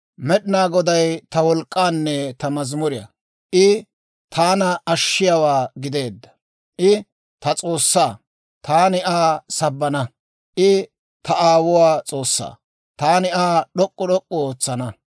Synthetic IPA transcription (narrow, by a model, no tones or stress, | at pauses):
mɛɗɪnaːɡɔd̪ɐjt̪ɐwɔlkʼːaːnːɛt̪ɐmɐzmʊɾɪjɐ̰ | ʔɪ | t̪ʰaːnɐɐʃːɪjawaːɡɪd̪e̞ːd̪ːɐ̥ | ʔɪ | t̪ɐt͡sʼo̞ːsːaː | t̪aːnɪʔaːsɐbːɐnɐ | ʔɪ | t̪ɐʔaːwʊwaːt͡sʼo̞ːsːa̰ː | t̪aːnɪaːɗɔkʼːɔɗɔkʼːɔoːt͡sːɐnɐ